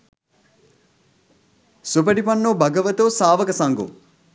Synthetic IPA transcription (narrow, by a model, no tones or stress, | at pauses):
sup̬əɖipanːobɐɡəʋət̪osaːʋəkəsaŋɡo̰